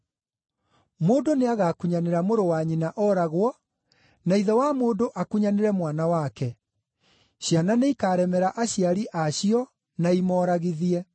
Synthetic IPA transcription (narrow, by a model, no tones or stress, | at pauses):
moːdoneaɣaːkuɲaneɾamoɾowaɲinaʔɔɾaɣwɔ | naiðɔwamoːdoʔakuɲaneɾɛmwanawakɛ | ɕjananeikaːɾɛmɛɾaʔaɕjaɾiʔaɕiɔ | naimɔːɾaɣiðiɛ